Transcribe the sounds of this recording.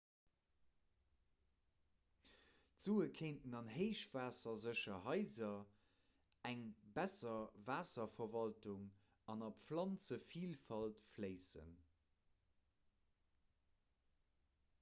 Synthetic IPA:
tz̥uːəkʰeɪntənɑnɦeɪʃv̥aːsɐzəʃɐɦɑɪzɐ | æŋbæsɐvaːsɐfɐvɑltuŋ | ɑnɑpflɑnt͡səfiːlfɑltfleɪsə̰n

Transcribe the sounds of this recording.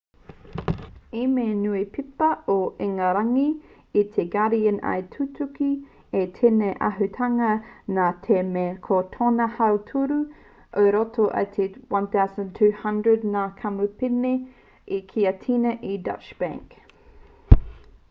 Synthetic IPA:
imenuipʰipɐoʔeŋaɾɐŋi | it̪ʰeɡaɾiɐna̰jtʰutʰuki | etʰeneʔɐ̰ɦʉtʰɐŋɐnatʰemekʰot̪ʰonɐhɐwtʰuɾu | ʔəɾotʰoʔɐ̰t̪ʰewɐ̃nθawzə̃ntʰʉːhɐ̃ndɹədnakʰɐmupine | ikʰiɐtʰinɐʔidɐ̰t͡ʃb̥æ̰̃ŋk

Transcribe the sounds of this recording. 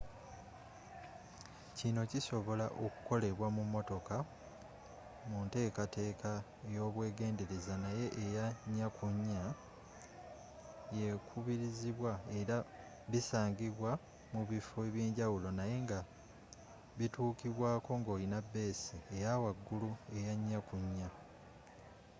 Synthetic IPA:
cino̞ciso̞βo̞laʔo̞ku̥ko̞le̞βwamumːo̞to̞ka | munte̞ːkate̞ːkʰa | ejo̞ːβwe̞ːɡe̞ːnde̞ɾezanaje̞ʔejaɲːakʰuɲːa | je̞kʰuβiɾiziβwae̞ɾa | βisaːŋɡiβwa | muβifoeβjeːɲɟawulo̞naje̞ŋɡa | βituːkiβwaːko̞ŋɡo̞ːlinabːe̞ːsiejawaɡːulue̞jaɲːakuɲːa

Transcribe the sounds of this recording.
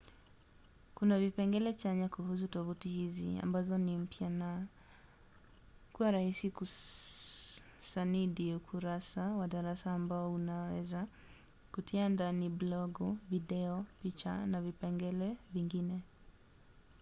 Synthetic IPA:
kunavipɛŋɡɛlɛt͡ʃaɲakuhus̬utɔvutihizḭa̰mbazɔnim̩pjana | kuwaɾahisiku | saniɗiukʰuɾasawaɗaɾasaːmbaɔunawɛ̰za | kutʰiandaniblɔɡɔviɗɛɔpit͡ʃa̰navipɛŋɡɛlɛviŋɡinɛ

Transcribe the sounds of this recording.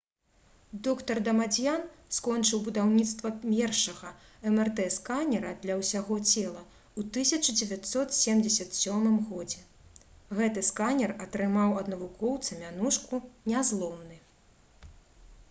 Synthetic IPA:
d̪ɔkt̪ɐrd̪ɐmad͡zʲjanskɔnt͡ʂɨwbud̪awnʲit̪st̪vɐmʲɛrʂɐɣɐɛmɛrt̪ɛskanʲɛɾɐd̪lʲɐwsʲaɣɔt͡sʲɛlˠɐ | ut̪ɨsʲɐt͡ʂɨd͡zʲɛvʲat̪sɔt̪sʲemd͡zʲɛsʲɐt̪sʲɔmɨmɣɔd͡zʲɛ | ɣɛt̪ɨskanʲɛrɐt̪ɾɨmawɐd̪nɐvukʰɔwt̪sɐmʲanuʂkunʲazlˠɔwnɨ

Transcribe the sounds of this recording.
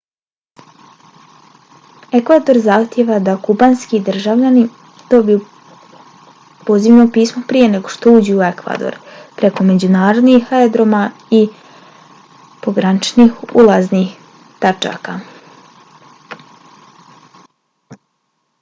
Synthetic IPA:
e̞kʋad̪o̞ɾzaxt̪jeʋad̪akubanskid̪r̩ʒaʋʎani | d̪̥o̞biju | po̞ziʋnopiːsmopɾije̞ne̞ɡo̞ʃt̪o̞uːd͡ʑuue̞kʋa̰d̪o̰ɾpɾe̞ko̞me̞d͡ʑunaːɾo̞d̪nixaed̪ɾo̞mai | po̞ɡɾanit͡ʃnixulˠaznix | t̪at͡ʃa̰ka

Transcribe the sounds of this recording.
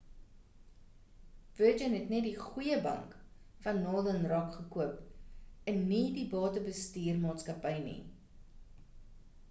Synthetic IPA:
v̥əd͡ʒənɦɛtnɛtdiχujəbɐ̰ŋkfɐnːɑːlənrɐkχəkuəpənːidibɑːtəbəstiːrmɑːtskɐpəjnḭ

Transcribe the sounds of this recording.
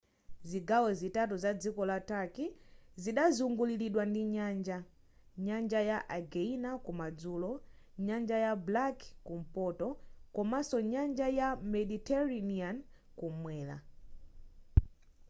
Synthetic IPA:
ziɡawɛzitatuzad͡zikɔlatakiziɗazuŋɡuliliɗwandiɲand͡ʒa | ɲand͡ʒajaʔaɡɛinakumad͡zuːlɔ | ɲand͡ʒajablakkum̩pɔtɔkɔmasɔɲand͡ʒajamɛɗitɛɾanian | kumwɛːla̰

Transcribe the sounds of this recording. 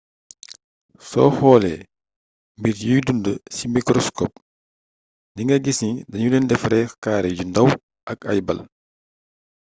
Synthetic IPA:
sɔ̰hɔːlɛ | mbiɾjujdundəsimikɾɔskɔːp̚ | ndiŋɡɐɡisidɐɲunɛndɛfɾɛkaːɾɛɟundɐw | ʔɐkɐ̰jbɐ̰l

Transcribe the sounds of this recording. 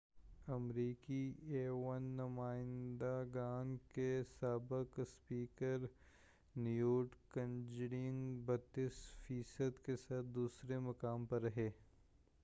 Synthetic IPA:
ɐmɾiːkieːʋənːɐmaːɪ̃nd̪aɡaːnkesaːbɪkspiːkəɾ | njuːʈkɐ̃nd͡ʒɽɪ̃ŋɡbɐt̪ːisfiːsəd̪kesaːt̪̚ʰd̪uːsɾemɐkaːmpɐɾːɐɦeː

